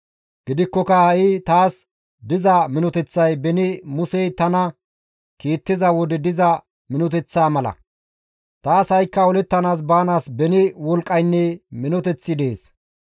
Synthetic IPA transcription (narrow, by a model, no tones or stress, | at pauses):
ɡ̥ɪd̪ɪkːɔkɐhɐʔɪt̪aːs | d̪ɪzɐmɪnɔt̪ɛt͡sːɐjbɛnɪmʊsɛjt̪ɐnɐ | kiːt̪ːɪzɐwɔd̪ɛd̪ɪzɐ | mɪnɔt̪̬ɛt͡sːaːmɐlɐ̰ | t̪aːshɐjkːɐɔlɛt̪ːɐnaːs̬baːnaːsbɛnɪwɔlkʼːɐjnːɛmɪnɔt̪ɛt͡sːɪd̪e̞ːs